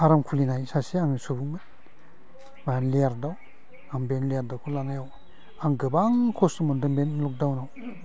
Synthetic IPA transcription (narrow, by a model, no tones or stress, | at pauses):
aɾamkʰulinajsasiaŋisubuŋmɯn | majanlejaɾdaw | ambenlejaɾdawkʰulanajaw | aŋɡɯbaŋkʰɔsɯmɔndɯmbenlɔk̚dawnaw